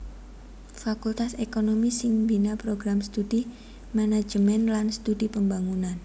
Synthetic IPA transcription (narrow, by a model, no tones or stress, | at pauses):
fakult̪asekonomisɪŋbinapɾoɡɾamst̪udi | manḁd͡ʒəmɛnlanst̪udipəmbaŋunan